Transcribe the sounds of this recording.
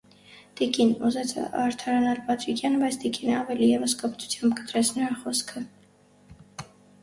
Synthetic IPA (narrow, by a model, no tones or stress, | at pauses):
t̪ikinuzɛt͡sʰɑɾt̪ʰɑɾɑnɑlpɑt̪ʰɾikʰjɑnəbɑjt͡sʰt̪ikinəɑvɛlijɛvəskəpʰt̪ʰu̥t͡sʰjɑmbkə̥t̪ɾɛt͡sʰnəɾɑχɔskʰə